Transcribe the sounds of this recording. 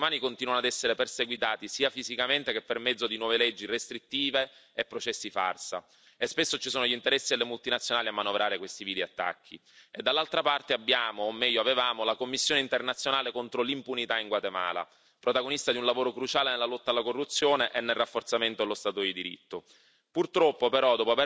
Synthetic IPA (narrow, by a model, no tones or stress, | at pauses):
maːnikont̪iːnwanoad̪ɛsːeɾeperseɡwit̪aːt̪isiːafizikament̪ekepːermɛd̪zːod̪inwɔːvelɛd͡ʒːirest̪ɾit̪ːiːveːpːɾot͡ʃɛsːifa̰rsa̰ | espesːot͡ʃisoːnoʎint̪eɾɛsːielːemult̪inat̪sːjonaːliamːanovɾaːɾekwest̪iviːd̪iat̪ːa̰kʰːied̪ːalːalt̪ɾapart̪eabːjaːmoːmːɛʎːoavevaːmolakomːisːjoːneint̪ernat̪sːjonaːlekont̪ɾolimpunit̪aiŋɡwat̪ema̰ːla̰ | pɾot̪aɡonist̪ad̪iunlavoːɾokɾut͡ʃaːlenelːalɔt̪ːalːakorːut̪sːjoːneʔenːelrafːort̪sament̪od̪elost̪aːt̪od̪id̪iɾḭt̪ːo | purt̪ɾɔpːopeɾɔd̪ɔpoave